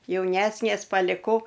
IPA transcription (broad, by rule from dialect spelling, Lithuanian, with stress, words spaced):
jɛʊˈnʲæːsʲnʲeːs pɐlʲɪˈkɐʊ